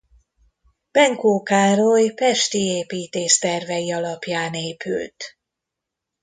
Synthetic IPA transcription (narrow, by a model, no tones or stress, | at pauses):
b̥ɛŋkoːkaːɾojpɛʃt̪ieːpiːt̪eːʃt̪ɛrvɛjiɒlɒpjaːneːpʰy̰lt̪